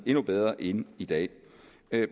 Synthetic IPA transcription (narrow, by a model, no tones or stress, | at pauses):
e̝nub̥eð̞ˠʁɐʔe̝nid̥ɛ̰ː